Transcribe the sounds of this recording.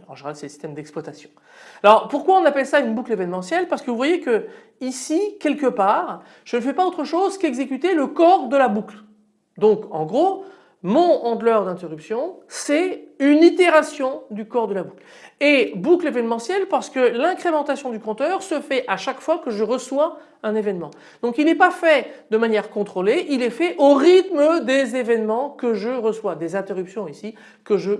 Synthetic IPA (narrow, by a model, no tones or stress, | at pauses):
ɑ̰̃ʒeneʁalsɛləsi̥st̪ɛmd̪ɛkspwat̪asjɔ̃ | alɔʁpuʁkwaɔ̃napɛlsaynbuklevɛnmɑ̃sjɛlpaʁsə̥kəvuvwajekə | isikʲɛlkəpaːʁ | ʒ̥ənəfɛpaot̪χəʃozkɛɡzekyt̪eləkɔʁd̪əlabukl | d̪ɔ̃kɑ̰̃ɡʁo | mɔ̃ɑ̃d̪lœʁd̪ɛ̃t̪eʁypsjɔ̃sɛynit̪eʁasjɔ̃d̪ykɔʁd̪əlabukl | ebuklevɛnmɑ̃sjɛlpaʁsə̥kəlɛ̃kχemɑ̃t̪asjɔ̃d̪ykɔ̃t̪œʁsəfɛʔaʃakfwakəʒəʁəswa | ɛ̃nevɛnmɑ̰̃ | d̪̥ɔ̃kilɛpafɛd̪əmanjɛʁkɔ̃t̪χoleʔilɛfɛʔoʁit̪məd̪ezevɛnmɑ̃kəʒəʁəswad̪ezɛ̃t̪eʁypsjɔ̃isi | kəʒə